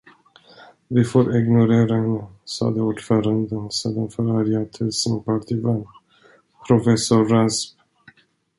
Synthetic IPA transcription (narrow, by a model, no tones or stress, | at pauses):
vɪfoːɾʔɪɡnʊɾeːɾaəsɑ̰ːd̪əuːɖfœːɾand̪ənsḛːd̪anfœɾaɾjat̪ʰɪlsɪnpaʈ̪ʰivɛn | pʰɾʊfɛsʊɾːasp